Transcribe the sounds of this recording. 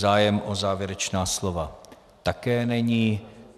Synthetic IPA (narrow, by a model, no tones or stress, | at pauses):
aːjɛmʔozaːvjɛɾɛt͡ʃnaːslova | t̪akɛːnɛɲiː